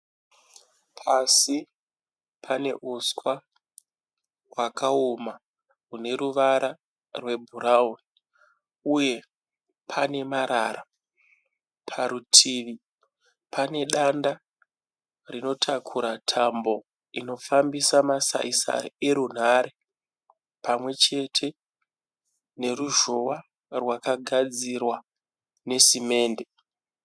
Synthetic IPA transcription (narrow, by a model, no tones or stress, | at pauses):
pʰasi | pʰane̞ʔuskwa | wakʰaoma | ɦune̞ɾuʋaɾa | rwe̞bʱuɾauni | uje̞ | pʰane̞maɾaːra | pʰaɾutʰiʋi | pʰane̞ɗanda | rino̞tʰakʰuɾatʰambo̞ | ino̞fambisamasa̰isa̰e̞ɾun̤aːɾe | pamwe̞t͡ʃe̞tʰe̞ | ne̞ruʒo̞wa | rwakaɡʱad͡zirwa | ne̞sime̞ːnde̞